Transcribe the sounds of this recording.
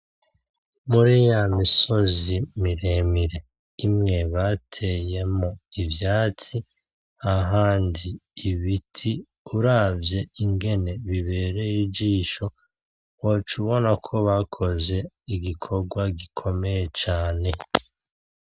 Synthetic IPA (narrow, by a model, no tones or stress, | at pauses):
muɾijamiso̞zimiɾemiɾe̞ | imŋe̞βatʰe̞je̞moivjaːt͡si | aɦaːndiːβitʰi | uɾavje̞iŋɡe̞ne̞βiβe̞ːɾe̞jiɟiːʃo̞ | wot͡ʃuβo̞nakʰo̞βakʰo̞ze̞ | iɡikʰo̞ɾɡwaɡikʰo̞me̞je̞t͡ʃaːne̞